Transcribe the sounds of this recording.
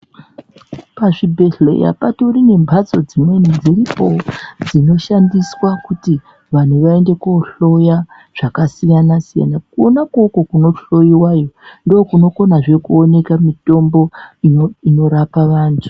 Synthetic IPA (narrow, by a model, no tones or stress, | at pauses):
paʐibʱe̞ɬe̞̰ja̰pato̞rine̞mbʱat͡so̞d͡zimwenid͡ziripo̞d͡zino̞ʃandiswakuti | ʋan̤uʋae̞nde̞koɬo̞ja | ʐ̥akasijanasija̰nakuonakoko̞kuno̞ɬo̞iwajo̞ndo̞ːkuno̞ko̞naʐe̞kuone̞kamito̞mbo̞ioino̞ɾapaʋaːntʰu̥